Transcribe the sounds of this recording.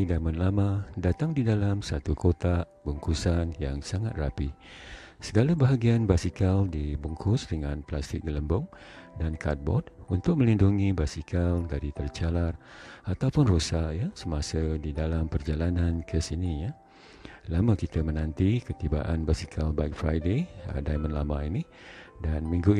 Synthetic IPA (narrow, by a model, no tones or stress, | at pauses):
idamənlamãdat̪aŋdidalamsat̪ukot̪aʔbuŋkusanjaŋsaŋat̪̚rapi | səɡalabaɦaɡianbasikaldibuŋkʰʊsdəŋãnplast̪ɪk̚ɡələmbʊŋdankʰat̪̚bɔ̰d̚unt̪ʊk̚mə̃linduŋibasikʰaldaɾit̪ərt͡ʃalarat̪awpʊnrosaʔjasəmasədidalampərd͡ʒalanankʰəsinija | laməkit̪əmənãnt̪ikət̪iba̰ʔanbasikʰalbajk̚fɾajdḛdajmə̃nlamãini | danmĩŋɡu